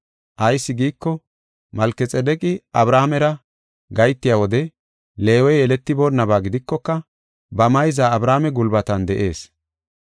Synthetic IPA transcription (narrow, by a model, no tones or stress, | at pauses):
ʔɐjsːɪɡiːkːɔ | mɐlkːɛt͡sʼɛd̪ɛkʼɪʔɐbɾaːmɛɾɐ | ɡɐjt̪ːɪjawɔd̪ɛ | le̞ːwɔjɛlɛt̪ːɪbonːɐbaːɡɪd̪ɪkːɔkːɐ | bɐmɐjzaːbɾaːmɛɡʊlbɐt̪ɐnd̪ɛʔe̞ːs